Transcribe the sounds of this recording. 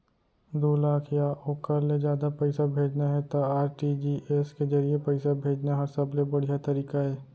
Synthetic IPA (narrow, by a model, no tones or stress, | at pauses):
d̪oːlaːkʰjaʔoːkəɾled͡ʒjaːd̪apɛɪsabʱeːd͡ʒnaɦɛt̪aaːɾʈiːd͡ʒiːʔesked͡ʒɐɾiepɛɪsabʱeːd͡ʒnaɦɐɾsɐblebɐɽ̤ijat̪ɐɾiːkaɦɛː